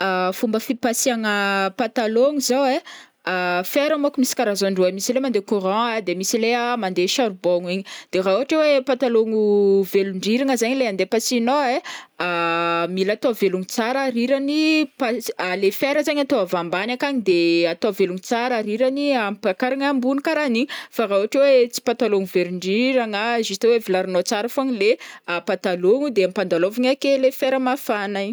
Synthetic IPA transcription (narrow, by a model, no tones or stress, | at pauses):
afumbəfipasiaŋəpat̪aloŋuzowe | feɾəmokumisi̥kaɾazoɳɖ͡ʐwemisilemand̪ekuɾɔ̃ad̪emisileamand̪eʃaɾuboŋiɲid̪̥erauɦaʈ͡ʂewepat̪aloŋuveluɳɖ͡ʐiɾiŋəzaɲileand̪epasinoeamilat̪oveluŋit͡saɾaɾiɾanipaalefeɾəzaɲat̪oavambanakaɲid̪eat̪oveluŋut͡saɾaɾiɾaniampakaɾaŋambunikaɾaniɲfarauɦaʈ͡ʂewet͡si̥pat̪aloŋuveɾuɳɖ͡ʐiɾaŋaʒist̪ewevilaɾinot͡saɾafoaɲileapat̪aloŋud̪eamipand̪alovaŋakelefeɾəmafanaɲ